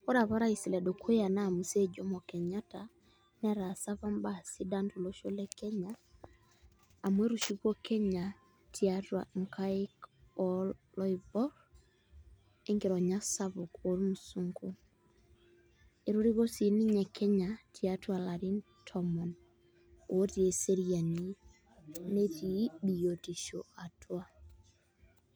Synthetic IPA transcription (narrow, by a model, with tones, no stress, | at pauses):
o˦ɾa˨βa˦ɾa˦i˨si˨lɛ˨do˨kʰo˦ja˨na˦˨mu˨se˦d͡ʒo˦mɔ˨kɛ˨ɲa˦ta˨ | nɛ˦ɾa˨sa˦va˦mbasi˦da˦ntu˨lo˦ʃo˦lɛ˦kɛ˦ɲa˦˨ | mwe˦ɾu˨ʃi˦kwo˦kɛ˦ɲa˨ | tʰi˨a˦twa̰˨ŋ˨ka˦i˦kɔllɔ˦ibɔ˦ɾ | e˦ŋɡi˨ɾɔ˨ɲa˦sa˦bʊ˨ko˨˦ɾmu˨su˦ŋɡu˦ | e˨ɾu˦ɾi˦ɡo˦si˨ni˦ɲɛ˨kʰe˦ɲa˨tʰi˨a˦twa˨la˨ɾi˦ntʰɔ˦mɔ˨n | o˨o˦ti˨e˨se˦ɾi˨a˨ni˦ | ne˦ti˨di˨jo˨ti˨ʃo̰˨a˨twa˦